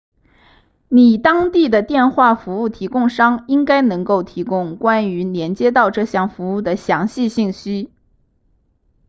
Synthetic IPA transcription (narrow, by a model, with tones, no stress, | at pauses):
ni˨˩t̪ɑ˥ŋt̪i˥˩d̪ə˩t̪jɛ˥˧nxwa˥˩fu˧˥u˥˩t̪ʰi˧˥kʊ˥˧ŋʂɑ˥ŋi˥ŋka˥ɪnɤ˧˥ŋko˥˩ʊt̪ʰi˧˥kʊ˥ŋkwa˥ny˧˥njɛ˧˥nt͡ɕjɛ˥t̪ɑ˥˧ʊʈ͡ʂɤ˥˧ɕjɑ˥˩ŋfu˧˥u˥˩d̪ə˩ɕjɑ˧˥ŋɕi˥˧ɕi˥˩ŋɕy˥